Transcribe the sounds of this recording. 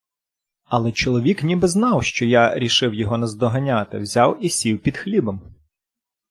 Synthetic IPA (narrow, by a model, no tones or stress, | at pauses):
ɐlˠɛt͡ʃɔlˠɔʋʲiknʲibɪznɑwʃt͡ʃɔjaɾʲiʃɪwjɔɦɔnɐzd̪ɔɦɐnʲat̪ɪ̰wzʲɑwisʲiwpʲid̪xlʲibɐm